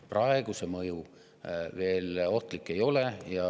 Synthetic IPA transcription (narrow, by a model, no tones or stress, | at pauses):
prɑeɡ̥use̞mɤju | ve̞ːlo̞ht̪likːe̞jo̞le̞jɑ